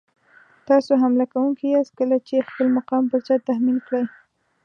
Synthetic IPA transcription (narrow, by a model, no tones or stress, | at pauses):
t̪ɑsoɦamlakawuŋkiaskəlat͡ʃexpəlmaqɑmpəɾzat̪ahminkɽaj